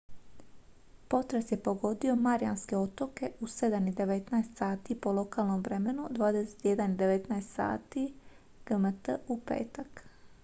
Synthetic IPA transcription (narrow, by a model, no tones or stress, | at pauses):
po̞t̪ɾesje̞po̞ɡo̞d̪io̞maɾija̰nske̞o̞t̪o̞ke̞use̞d̪anid̪e̞ʋe̞t̪naest̪saːt̪ipo̞lo̞kaːlno̞mʋɾe̞me̞nud̪ʋaːd̪ese̥t̪jed̪anid̪e̞ʋet̪naest̪sa̰ːt̪i | ɡ̥əmət̪əupḛːt̪ak